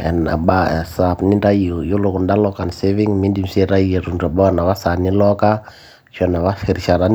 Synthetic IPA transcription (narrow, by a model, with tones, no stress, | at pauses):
ɛ̰˨na̰˨ɓasapni˦nda˦iɔ˨jo˦loku˨nda˦lɔka˨nsɛviŋmi˦ndi˦m̩sɛɾa˦iɛ˨ɾu˨ndua˨ba˦a˦na˨βa˦sa˨ni˦lɔ˦ka˦ | ʃɔ˨na˨βa˦fɛ˨ɾi˨ʃa˨ɾa˦n